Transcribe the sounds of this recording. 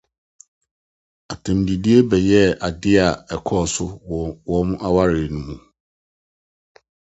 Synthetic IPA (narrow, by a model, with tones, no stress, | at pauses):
a˨tʰã˨mdi˨di˦e˦bɛ˨jɛ˦a˨dɪ˦a˨ɛ˨kʰɔ˦˨sʊ˦wɔ˨˦mʊ̃˦ʔa˦wa˦ɾɪː˨nũ˦mũ˨